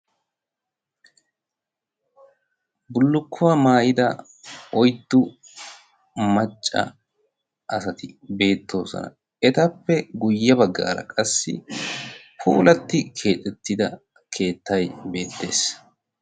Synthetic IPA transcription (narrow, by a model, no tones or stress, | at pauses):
bʊlːʊkʰːʊwamaːjɪd̪ɐ | ɔjt̪ːʊ | mɐt͡ʃʼːɐ̰ | ʔɐsɐt̪ɪbe̞ːt̪ʰːo̞̰ːsɔ̰nɐ̰ | ɛt̪ɐpːɛɡʊjːɐbɐɡːa̰ːɾɐ̰kʼɐsːɪ̰ | pʰṵːlɐt̪ːɪkʰe̞ːt̪ʼːɛt̪ːɪd̪ɐ | kʰe̞ːt̪ːɐjbe̞ːt̪ːe̞ːs